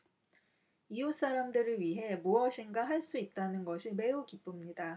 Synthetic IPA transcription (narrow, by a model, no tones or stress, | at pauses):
ius͈aɾamdɯɾɯɭɥiɦe̞muʌɕʰinɡaɦaɭs͈uit̚t͈anɯnɡʌɕʰime̞ukip͈ɯmɲida